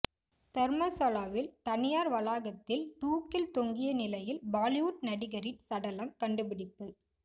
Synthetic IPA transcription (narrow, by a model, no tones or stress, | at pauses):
t̪ɛɾmɐsɐlaːʋɪlt̪ɐnɪjaːɾʋɐlaːɣɐt̪ːɪlt̪uːkːɪlt̪ɔŋɡɪjɐnɪlɐjɪlbaːlɪʋʊʈ̚nɐɽɪɣɐɾɪʈsɐɽɐlɐmkɐɳɖɯpɪɽɪpːɐ